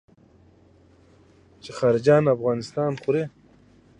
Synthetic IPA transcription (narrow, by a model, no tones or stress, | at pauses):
t͡ʃexɑːɾɪd͡ʒɑːnafɣɑːnɪst̪ɑːnχuɾe